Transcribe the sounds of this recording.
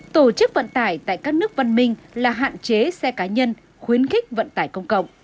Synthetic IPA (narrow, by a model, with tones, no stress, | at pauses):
t̪o˧˩t͡ɕɨ˦˥k̚və̰˧˨nt̪aː˧˩jt̪a̰ː˧˨jkaː˦˥k̚nɨ˦˥ək̚və˧nmï˧ŋ̟laː˨˩ɦa̰ː˧˨nt͡ɕe˨˦sɛ˧kaː˨˦ɲə˧n | xwi˨˦ənxï˦˥k̟̚və̰˧˨nt̪aː˧˩jkə˧wŋ͡mkə̰˧˨wŋ͡m